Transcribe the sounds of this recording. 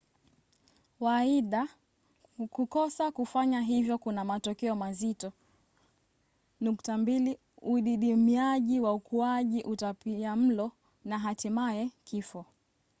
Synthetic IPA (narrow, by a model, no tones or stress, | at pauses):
waiɗa | kukɔsakufaɲaɦivjɔkunamatɔkɛɔmazitɔ | nuktambili | uɗiɗimiaʄiwaukʰuaʄiʔutapiam̩lɔ | naɦatimaɛkʰifɔ